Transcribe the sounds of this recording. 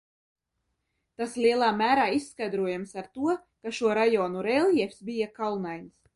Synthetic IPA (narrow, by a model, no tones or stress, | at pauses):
t̪aslʲiɛlˠaːmʲæːɾaːisːkajd̪ɾuɔjamsaɾt̪uɔ | kaʃuɔɾajɔːnuɾɛlˠjɛfsbijakalˠnajns